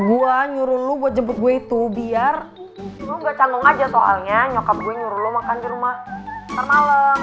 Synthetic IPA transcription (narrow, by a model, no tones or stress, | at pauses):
ɡuaɲuɾʊnluɡuad͡ʒəbʊt̪̚ɡuait̪ubiar | luɡuat͡ʃaŋɡʊŋad͡ʒasoʔa̰lɲaɲokap̚ɡuaɲuɾunlumakandiɾumaht̪ərmalə